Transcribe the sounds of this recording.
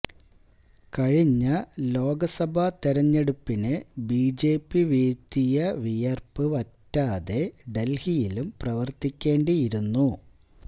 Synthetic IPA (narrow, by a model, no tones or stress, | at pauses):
kɐɻiɲːɐlo̞ːɡɐsɐbʱɐt̪eɾɐɲːeɽupːinɨbiːd͡ʑe̞ːpːiʋiːt̪ːijɐʋijɐrpɨʋɐtːaːðe̞ɖe̞lhijilumprɐʋɐrt̪ikʲːe̞ːɳɖijiɾunːu